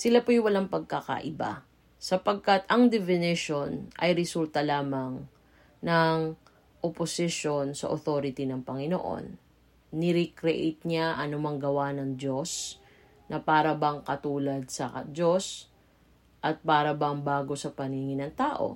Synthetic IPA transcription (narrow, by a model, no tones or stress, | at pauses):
sɪlapojwɐlaŋpɐɡ̚kakɐ̰ʔɪba̰ | sɐpɐɡ̚kat̪ɐŋd̪ɛfɪnɪʃo̞nʔɐ̰jɾɛsult̪ɐlaːmɐŋ | nɐŋ | ʔoposɪʃo̞nsɐ̰ʔoθo̞ːɾɪt̪inɐŋpɐŋɪno̰ʔo̞̰nː | ɪɾikɾɛʔḛjt̪̚ɲaʔɐnʊmɐŋɡɐwanɐŋd͡ʒo̞s | nɐpaːɾɐbɐŋkɐt̪uːlɐd̪̚sɐd͡ʒo̞s | ʔɐt̪̚paːɾɐbɐŋbaːɡo̞sɐpɐniːŋɪnɐŋt̪aːʔo̞̰